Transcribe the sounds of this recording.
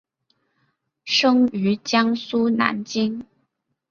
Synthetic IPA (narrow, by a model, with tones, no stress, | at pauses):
ʂɤ˥ŋy˧˥t͡ɕjɑ˥ŋsu˥na̰˧˥nt͡ɕi˥ŋ